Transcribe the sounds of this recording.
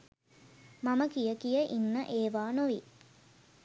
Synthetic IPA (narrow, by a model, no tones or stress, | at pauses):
maməkijəkijəʔinːəʔeːʋaːnoʋi